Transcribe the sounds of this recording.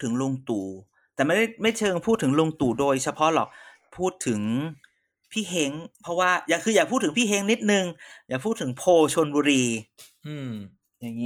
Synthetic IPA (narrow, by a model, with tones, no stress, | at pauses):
t̪ʰːɯ˩˦ŋlu˧ŋt̪uː˨˩ | t̪ɛː˨˩ma˥˩da˥˩jma˥˩jt͡ɕʰɤː˧ŋpʰuː˥˩t̪ʰːɯ˩˦ŋlu˧ŋt̪uː˨˩doː˧jt͡ɕʰa˧pʰɔ˦˥lɔ̰ː˨˩k̚ | pʰuː˥˩t̪ʰːɯ˩˦ŋ | pʰiː˥˩ɦe˦˥ŋpʰɾɔ˦˥waː˥˩jaː˨˩kʰɯː˧jaː˨˩k̚ʰːu˥˩t̪ʰːɯ˩˦mpʰiː˥˩he˦˥ŋni˦˥t̪̚nɯ˧ŋjaː˨˩k̚ʰuː˥˩t̪ʰːɯ˩˦ŋpʰoː˧t͡ɕʰo˧nbuː˧ɾiː˧ | ɯ˧˩ | ja˧ŋː˦˥